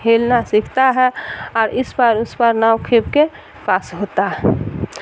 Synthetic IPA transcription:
ɦeːlnasɪkʰt̪aɦɛɔːɾɪspəɾʊspəɾnawkʰeb̚ke | paːsɦoːt̪aɦɛ

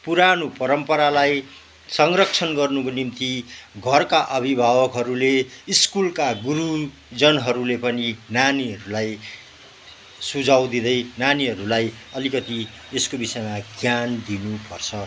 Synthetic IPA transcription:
puɾanopʌɾʌmpʌɾalaj | sʌŋrʌk̚t͡sʰʌnɡʌrnukonimt̪iɡʱʌrkaʔʌbʱibʱabʌkɦʌɾuleiskulkaɡuɾu | d͡zʌnɦʌɾulepʌninaniɦʌɾulaj | sud͡zʱawd̪id̪ʌjnaniɦʌɾulaj | ʌlikʌt̪i | eskobisʌjmaɡjand̪inupʌrt͡sʰʌ

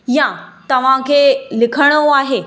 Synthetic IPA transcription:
jãt̪ɐʋ̤ãkʰelɪkʰəɽ̃əoaːɦe

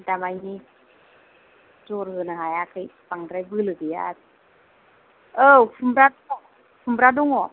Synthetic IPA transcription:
damajni | d͡ʒɔɾhɯnaɦajakʰɯjpaŋdɾajbɯlɯɡɯja̰t | əpʰumbɾadɔŋɔ | pʰumbɾadɔŋɔ

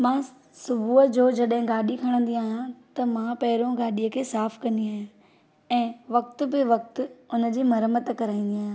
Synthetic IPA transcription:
mãː | sʊbʱuːəd͡ʑoːd͡ʑɐɗɦɪ̃ɡaːɗikʰɐɽ̃ə̃nd̪iaːɦijãt̪ɐmãpɐɦɪɾõɡaːɗiːəkʰeːsaːfkɐ̃nd̪iaːɦjũ | ɛ̃ːʋɐk̚t̪ʊ̆bɪʋɐk̚t̪ʊʊnə̆d͡ʑiːmɐɾəmət̪kɐɾaːĩnd̪iaːɦj̃

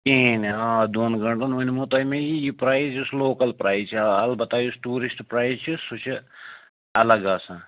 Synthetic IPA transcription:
kiːnɦãːd̪oːnɡɐɳʈonʋɐnimut̪ɐːjmẽjijipɾaːizusloːkɐlpɾaːizt͡ʃʰiɐlbɐt̪aːjusʈuːɾisʈpɾaːizt͡ʃʰisut͡ʃʰi | ɐlɐɡɐːsã

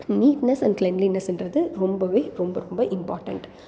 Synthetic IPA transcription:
niːʈnɐsɐnɖklɛnlinɐsɛndɾɐðɯɾɔmbɐʋeːɾɔmbɐɾɔmbɐʔɪmpaːɾʈɐ̰ɳʈ

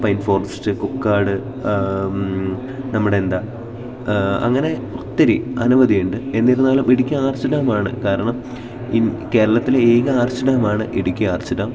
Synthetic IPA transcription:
pɐjnfo̞ːrɐstɨkukːaːɽɨ | nɐmːuɽeend̪aː | ɐ̰ŋːɐne̞ot̪ːɐɾiɐ̰nuʋɐðijuɳɖɨe̞nːiɾunːaːlumeɽukʲːuaːrt͡ɕːɐɽaːmaːɳɨ̰kaːɾɐɳɐm | inke̞ːɾɐɭɐt̪ːileeːɣɨaːrt͡ɕːɐɽaːmaːɳɨʔeɽukʲːuaːrt͡ɕːɐɽaːm

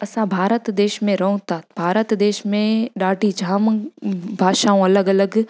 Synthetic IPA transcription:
ɐsãbʱaːɾət̪d̪eːʃmẽɾɐɦũt̪abʱaːɾət̪d̪eːʃmẽɗaːʈid͡ʒʱaːmbʱaːʃaũɐləɡɐləɡ

